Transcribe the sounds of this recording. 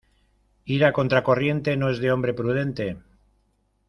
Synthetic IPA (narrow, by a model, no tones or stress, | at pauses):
iɾako̞nt̪ɾako̞rje̞nt̪e̞noe̞zðe̞o̞mbɾe̞pɾuð̞e̞nt̪e̞